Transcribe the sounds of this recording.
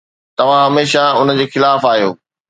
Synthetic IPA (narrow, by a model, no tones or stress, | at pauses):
t̪ɐʋ̤ãɦɐmeːʃaʊnə̆d͡ʑeːxɪlaːfaːɦijo̰ː